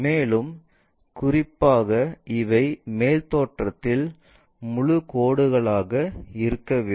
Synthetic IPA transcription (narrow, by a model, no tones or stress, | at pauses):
meːlɯm | kʊrɪpːaːɣɐʔɪʋɐɪmeːlt̪oːʈrɐt̪ːɪl | mʊɻʊkoːɽɯɣɐɭaːɣɐɪɾɯkːɐʋeː